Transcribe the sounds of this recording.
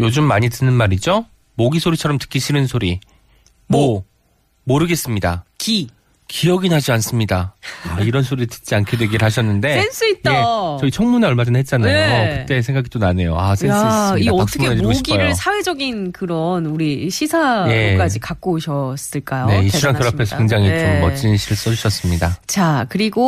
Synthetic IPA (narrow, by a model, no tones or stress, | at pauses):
jod͡ʑumːaɲitɯnɯnmaɾid͡ʑo | moɡisʰoɾit͡ɕʰʌɾʌmtɯ̥k͈iɕʰiɾɯnsʰoɾi | mwʌ | moɾɯɡe̞s͈ɯmɲidaki | kiʌɡinɦad͡ʑians͈ɯmɲidaaiɾʌnsʰoɾitɯ̥t̚t͡ɕ͈iankʰedwe̞ɡiɾɯɭɦaɕʰʌnːɯnde̞ens͈ɯij͈e̞t͡ɕʌit͡ɕʰʌŋmuneʌɭmad͡ʑɯnɦet̚t͡ɕ͈anajookɯe̞sʰeŋɡaɡit͈onane̞joasens͈miaʌak̚s͈ʰʌumkned͡ʑikoɕiɡiʌɾoɯɭsʰawe̞d͡ʑʌɡinkɯɾʌnuɾiɕʰisʰaje̞k͈ad͡ʑikak͈oɕʰʌs͈ɯɭk͈ajone̞iɕ͈ʰiɾankʌɾapʰesʰʌkeŋd͡ʑaŋit͡ɕomːʌt͡ɕ͈inɕʰiɾɯɭs͈ʌd͡ʑuɕʰʌs͈ɯmɲidat͡ɕakɯɾiɡo